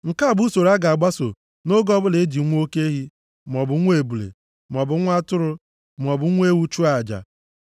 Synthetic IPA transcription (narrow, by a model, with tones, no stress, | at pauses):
ŋ̩˨ka˦˨bu˦so˨ɾa˦ɡa˨ɡ͡ba˦so˨ | no˦ɡɔ˦bʊ˦le˨˦d͡ʒi˨˦ŋʷ˦o˦ke˦ɦi˦ | m˨ɔ˨bʊ˨˦ŋʷ˦e˨bu˨lḛ˨˦ | m˨ɔ˨bʊ˨˦ŋʷ˦a˦tʊ˦ɾʊ˦ | m˨ɔ˨bʊ˨˦ŋʷ˦e˦wu˦t͡ʃu˦a˨d͡ʒa̰˨